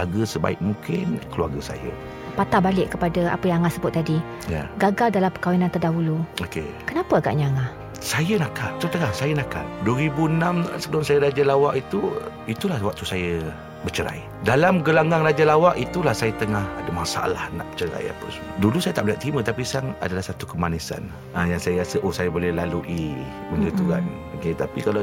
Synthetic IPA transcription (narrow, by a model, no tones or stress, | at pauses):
aɡəsəba̰ɪk̚mukɪnkəlua̰rɡəsa̰jə̰ | pat̪abalɪʔkəpadəa̰pəjãŋaŋasəbʊt̪̚ːadi | ja̰ɡaɡaldalampəkawinant̪ərdaɦuluokḛkənapəaɡa̰ʔɲaŋah | sajənakaʔt̪ot̪əŋahsajənaka̰t̪duəɾibuənamsəlʊnsajəɾad͡ʒalawaʔit̪uit̪ulahwak̚t̪usajə | bət͡ʃəɾa̰j | dalamɡəlaŋaŋrad͡ʒalawaʔit̪ulahsajət̪əŋahadəmasaa̰la̰hna̰ʔbə̥t͡ʃəɾa̰ja̰pə̰səmudulusajət̪aʔbliaʔ̚t̪ɾimə̃t̪apisaŋa̰dalahsat̪ukəmanisa̰n | ajaŋsajəasəʔosajəbolɛhlaluʔi | undət̪uɣa̰n | oket̪apikala